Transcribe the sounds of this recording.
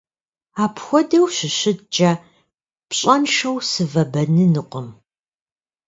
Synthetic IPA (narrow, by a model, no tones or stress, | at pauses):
aːpxʷɔdɐwʃɪɕɪdt͡ʃʼɐ | pɕʼɐnʃɐwsɨvɐbɐnɨnɨqʷʼəm